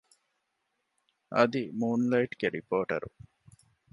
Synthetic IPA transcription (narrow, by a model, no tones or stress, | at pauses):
ʔɐd̪imuːnlɐiʈɡ̥eɾipoːʈɐ̰ɾu